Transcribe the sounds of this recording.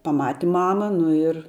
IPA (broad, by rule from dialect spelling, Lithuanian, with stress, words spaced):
pɐˈmɑːtʲɪ ˈmɑːmɐ ˈnʊ ɪr